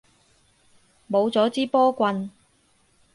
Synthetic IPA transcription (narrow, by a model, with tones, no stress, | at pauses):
mo˨˧wt͡sɔː˨˥t͡siː˥pɔː˥kʷɐ˧n